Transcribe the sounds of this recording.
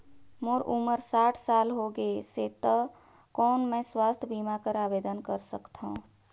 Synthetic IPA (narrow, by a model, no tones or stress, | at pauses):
moɾuməɾsaːʈʰsalɦoɡeset̪ə | kɔːnmẽswast̪ʰəbimakəɾabed̪ənkəɾsəkt̪ʰaũ